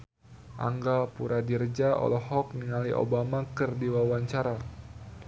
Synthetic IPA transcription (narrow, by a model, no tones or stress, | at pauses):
ʔa̰ŋɡapuɾadird͡ʒaʔɔ̰lɔɦɔk̚niŋaliʔo̰bamakɨrdiwawaɲt͡ʃaɾa